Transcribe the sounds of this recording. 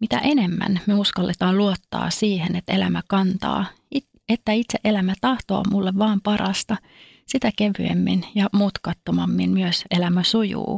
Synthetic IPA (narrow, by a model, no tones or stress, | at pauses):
mit̪æ̰ʔenemːæ̰nmyøuskɑlːet̪ɑːnluot̪ːɑ̰ːsiːhenet̪elæ̰mækɑnt̪ɑ̰ː | i | et̪ːæit̪seʔe̞læmæt̪ɑht̪o̰ːmulːeʋʋɑːmpɑɾʔɑst̪ɑ | sit̪ækeʋy̰ḛmːḭnjɑmuːt̪kɑt̪ːomɑmːinmyøselæmæsujṵː